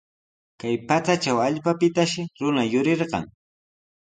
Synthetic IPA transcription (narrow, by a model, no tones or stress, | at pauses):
kajpat͡sat͡ʃawaʎpapɪt̪aʃɪɾʊnajʊɾeɾɢɑ̰ŋ